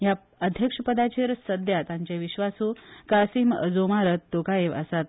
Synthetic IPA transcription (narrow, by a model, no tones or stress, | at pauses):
ja | əd̪ʱjəkʂəpəd̪at͡ɕeɾsəd̪jat̪ãɲt͡ɕeʋiɕʋasukasiːmə̰d͡zomaɾət̪ːokaeʋə̰sat̪̚